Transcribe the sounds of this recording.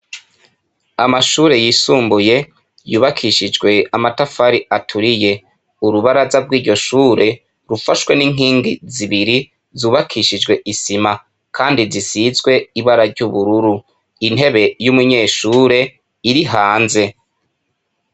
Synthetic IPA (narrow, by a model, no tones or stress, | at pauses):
amaʃuːɾe̞jiːsuːmbuje̞ | juːβakʰiʃid͡ʒɡwe̞amatafaɾiatʰuɾije̞ | uɾuβaɾazabɡwiːɾɟo̞ʃuːɾe̞ | ɾufaʃwe̞niːŋ̥iːŋɡiziβiɾi | zuːβakʰiʃid͡ʒɡwe̞ʔisima | kʰaːndizisizɡwe̞iβaɾaɾɟuβuɾuɾu | in̥ɦe̞βe̞jumuɲe̞ːʃuːɾe̞ | iɾiɦaːnze̞